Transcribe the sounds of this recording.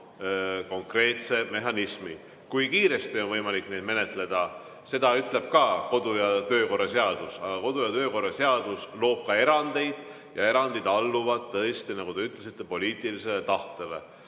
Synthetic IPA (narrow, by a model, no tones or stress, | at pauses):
ko̞ŋkre̞ːt̪se̞me̞ɦɑnismi | kujkiːɾe̞st̪io̞nvɤjmɑlikːˑne̞d̪̚me̞ne̞t̪ˑle̞d̪̥ɑ | se̞d̪ɑyt̪ˑle̞b̥̚kɑko̞d̪̥ujɑt̪ø̞ːko̞rːɑse̞ɑd̪̥usɑɡ̥ɑko̞d̪̥ujɑt̪ø̞ːko̞rːɑseɑd̪̥uslo̞ːb̥̚kɑe̞ɾɑnd̪e̞jd̪̥ | jɑe̞ɾɑnd̪id̪̥ɑlːuvɑd̪̥t̪ːɤest̪inɑɡ̥ud̪̥e̞yt̪ːˑlesit̪ˑːe̞po̞lʲiːt̪ˑilise̞let̪ɑht̪ele̞̰